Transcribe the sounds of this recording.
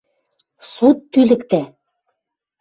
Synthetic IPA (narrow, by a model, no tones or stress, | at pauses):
sot̪ːylɘ̆kt̪æ